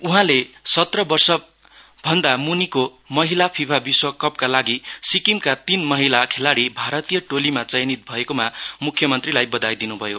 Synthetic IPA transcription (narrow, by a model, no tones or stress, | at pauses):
uɦãlesʌt̪rʌbʌrsʌ | bʱʌnd̪amuniko | mʌɦilapʰibʰʱabiswʌkʌpkalaɡisikimkat̪inmʌɦilakʰelaɽibʱaɾʌt̪ijʌʈolimat͡sʌjnit̪̚bʱʌekomamukʰːjʌmʌnt̪rilajbʌd̪ajd̪inubʱʌjo